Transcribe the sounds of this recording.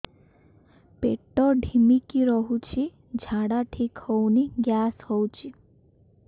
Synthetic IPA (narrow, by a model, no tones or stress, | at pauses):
peʈɔɖʱimikiɾɔɦut͡ʃʰi | d͡ʒʱaɽaʈʰikhɔwniɡjashɔwt͡ʃʰi